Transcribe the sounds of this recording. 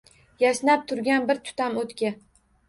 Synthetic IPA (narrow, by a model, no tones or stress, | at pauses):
jaʃnap̚t̪ʰʊɾɡʲanbɪɾt̪ʰʊ̥t̪ʰamot̪kʲa